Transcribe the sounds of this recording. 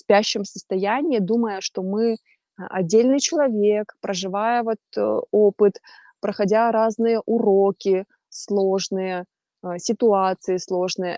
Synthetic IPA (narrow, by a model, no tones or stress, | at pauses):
spʲæɕːɪmsəst̪ɐjænʲɪjəd̪uməjəʂt̪o̞mɨ | ɐ̰dʲːelʲnɨjt͡ɕɪlˠɐvʲekpɾʔəʐɨvajəvo̞t̪opɨt̪ | pɾəxɐdʲaɾaznɨjəʔʊɾokʲɪ | slˠoʐnɨjə | sʲɪt̪ʊat̪sɨjɪslˠo̞ʐnɨjə